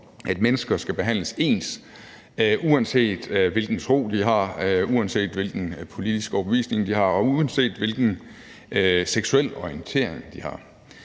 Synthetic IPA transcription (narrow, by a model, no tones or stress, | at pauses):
ʔæd̥menəsɡ̥ɐsɡ̥æb̥e̝ɦæn̰ləse̝̰ːns | ʔuænse̝̰ːd̥ʋe̝lɡ̥n̩t͡sʰʁo̝̰ːd̥iɦɑ̈uænse̝̰ːd̥ʋe̝lɡ̥n̩pʰo̝lid̥isɡ̥əɒʊb̥əʋḭːsne̝ŋd̥ihɑ̈ɒ̽uænse̝̰ːd̥ʋe̝lɡ̥n̩ | seɡ̥suel̰ɒiənt͡sʰe̝̰ːɐ̰e̝ŋd̥ihɑ̈